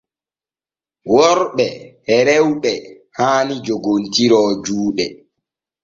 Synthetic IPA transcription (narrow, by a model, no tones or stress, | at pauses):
wɔɾɓɛhɛɾɛwɓɛ | haːnid͡ʒoɡontiɾɔːd͡ʒuːɗɛ